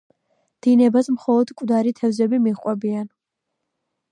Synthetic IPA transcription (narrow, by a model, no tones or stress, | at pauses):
d̪̥inɛbasmχɔlˠɔd̪kʼvd̪aɾit̪ʰɛvzɛbimiχʼqʼwɛbian